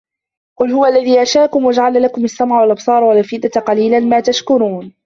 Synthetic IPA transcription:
qʊlhʊwaʔlːaðiːʔaʃaːkʊmwad͡ʒaʕalnalakʊmasːamʕawalʔɑbsˤɑːɾˤwalʔfɪd̪aqɑliːlanmaːt̪aʃkʊɾuːn

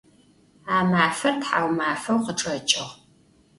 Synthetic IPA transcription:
aːmaːfɐrtħaːwmaːfɐwqəʈ͡ʂʼɐt͡ʃʼɪʁ

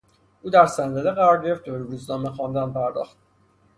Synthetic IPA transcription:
ʔuːd̪æɾsænd̪æd̪eɣæɾɒːɾɟeeft̪ʰɾuːznɒːmexɒnd̪ænpʰæɾd̪ɒ̰ːχt̪̚

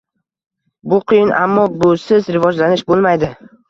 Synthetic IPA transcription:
bʊqʰɨjɪnʔa̰mːɒbʊsɪzɾɪvɒd͡ʒlanɪʃbolˠmajd̪ɪ

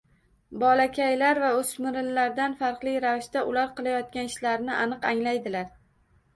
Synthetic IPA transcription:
bɒlakʲʰajlaɾvaɵsmɪɾɪlːaɾd̪anfaɾqlˠɪjɾavɪʃt̪aʔʊlaɾqɨlˠajɒt̪̚kʲanɪʃlaɾnɪʔanɨqaŋlajd̪ɪlaɾ

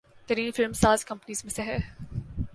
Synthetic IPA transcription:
t̪ɐɾĩːnfɪlmsaːzkɐ̃mpniːzmẽsɛɦɛ

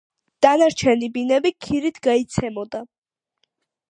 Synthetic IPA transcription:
d̪̥anaɾt͡ʃʰɛnibinɛbikʰiɾit̪ʰɡait̪sʰɛmɔd̪a

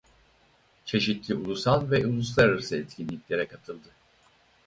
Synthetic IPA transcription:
t͡ʃʰe̞ʃit̪lʲiulˠusanˠvɛulˠuslˠaɾɯɾsɯɛt̪cʰʲinːʲiclʲe̞ɾɛkʰat̪ʰɯlˠd̪ɯ

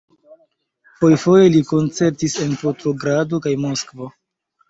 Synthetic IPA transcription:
fo̞jfo̞je̞liko̞nt͡se̞ɾtise̞npo̞tɾo̞ɡɾado̞kajmo̞skvo̞

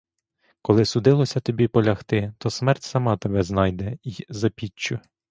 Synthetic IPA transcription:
kɔlˠɪsʊd̪ɪlˠɔsʲɐt̪ɔbʲipɔlʲɐxt̪ɪt̪ɔsmɛrtʲsɐmɑt̪ebɛznɑjd̪ɛizɐpʲit͡ʃːʊ

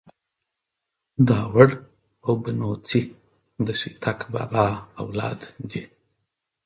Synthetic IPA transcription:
d̪ɑːwəɽ | awbənot͡si | d̪əʃit̪ʰakbɑ̰lɑːawlɑ̰ːd̪d̪i

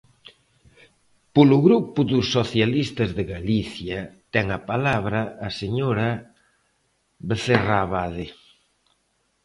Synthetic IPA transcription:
pʊlʊɣɾupʊðʊsːoθjalist̪ɐzðeɣaliθjɐt̪ɛŋɐpalaβɾɐːseɲoɾɐ | βeθeraβaðɪ

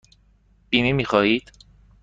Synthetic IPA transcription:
b̥iːnimiːxɒːhiːd̪̥

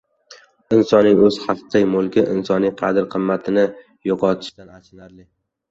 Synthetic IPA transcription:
ɪnsɒnɪŋɵz̥hɑfq̪ɪjmʊlˠkʲɪʔɪ̰nsɒnijqʰɑd̪ɪɾqʰɨmːat̪ʰɪnɪ | joqʰɒt̪ʰɪ̥ʃt̪anat͡ʃʰɪnaɾlɪ

